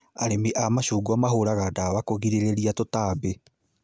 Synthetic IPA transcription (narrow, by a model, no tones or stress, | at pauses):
aɾemiʔamaɕuːɡwamaɦoɾaɣadawakoɣiɾeɾeɾiatotaːbe